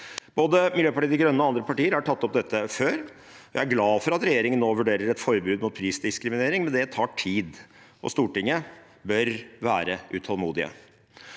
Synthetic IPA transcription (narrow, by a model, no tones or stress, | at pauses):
b̥oːd̪əmɪljøːpɑʈiːəd̪əɾɡɾœnːəɔɑnd̪ɾəpɑʈiːəɾhɑʈʰɑt̪ːɔp̚d̪ɛt̪ʰːəføːɾ | ɔjæ̰ɪæɾɡlɑːfɔɾɑt̪ɾɛjeːɾɪŋənnoːʋʉɖeːɾəɾɛt̪fɔɾbɾʉːd̪mʊːt̪̚pʰɾiːsd̪ɪskɾɪmɪneːɾɪŋmɛnd̪ɛt̪ʰɑːʈʰiːd̪ʔɔ̰st̪uːʈɪŋə | bœɾʋæːɾəʔʉ̰t̪ʰɑlmuːd̪ɪə̰